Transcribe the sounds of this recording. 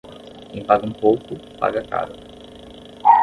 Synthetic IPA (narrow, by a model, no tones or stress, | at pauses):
kẽj̃paɡɐũpowkʊpa̰ɡɐka̰ɾɐ